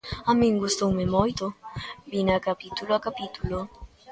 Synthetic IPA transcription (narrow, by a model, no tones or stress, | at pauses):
amĩŋɡust̪owmemojt̪obinakapit̪uloakapit̪ulo